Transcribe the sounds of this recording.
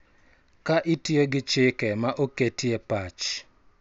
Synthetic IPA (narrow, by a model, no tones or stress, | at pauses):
kaʔɪtjoɡɪt͡ʃɪkɛmaʔoketjɛpat͡ʃ